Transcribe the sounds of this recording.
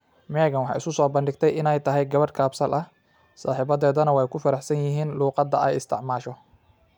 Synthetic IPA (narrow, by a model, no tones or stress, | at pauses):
mɛːɣɐnwɑħɑ̰ːɪ̰skʊsɔːbɐndɪɡt̪ʰɛjɪnɛjt̪ʰɐɦɛjɡɐβɐrkʰaːbsɐlʔɐh | saːħɪβɐðɛːðɐnɐwɛjkʰʊfɐɾɑħsɐnjɪɦiːnluːqɑd̪ɐɛjɪst̪ʰɪ̰ʕmaːʃɔ